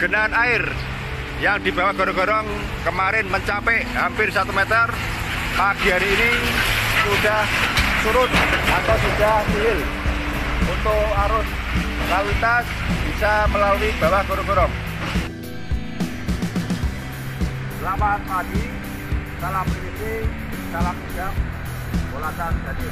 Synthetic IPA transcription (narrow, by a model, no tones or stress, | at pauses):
ɡ̥ənanaɪr | jaŋd̪̥i̤ba̤wahɡ̥ɔɾɔŋɡ̥ɔ̤ɾɔŋ | kəmaɾɪnməɲt͡ʃapɛʔɦampɪrsat̪umɛt̪ər | maɡ̥iaɾiːni | sud̥ahsuɾʊt̪̚ʔat̪awsudahsiɦɪl | unt̪ʊʔaɾʊs | lalit̪asb̥isaməlalunib̥awaɡ̥ɔɾɔɡɔɾɔŋ | səlamamadi | salampɾilit̪i | salamsid͡ʒam | bolasand̪adi